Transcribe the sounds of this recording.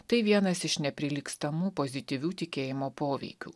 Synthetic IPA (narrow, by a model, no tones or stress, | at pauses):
t̪ɐɪʋʲiɛnɐsɪʃnʲɛpʲɾʲɪlʲiːkst̪ɐmuːpozʲɪt̪ʲiɪʋʲuːt̪ʲɪkʲeːjɪmoːpoːʋʲɛ̰ɪkʲṵː